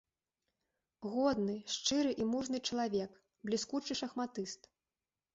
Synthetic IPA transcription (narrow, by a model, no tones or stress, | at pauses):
ɣɔd̪nɨʂt͡ʂɨɾɨʔimuʐnɨt͡ʂɐlˠavʲɛk | blʲiskut͡ʂɨʂɐxmat̪ɨst̪